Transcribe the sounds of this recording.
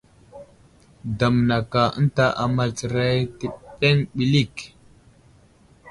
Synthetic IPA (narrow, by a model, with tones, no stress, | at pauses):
da˨m˨na˨ka˨ə̰˦nta˦ʔa˨ma˨lt͡sə˨ɾa˦jti˨ɗe˦ŋɓi˨li˦˨k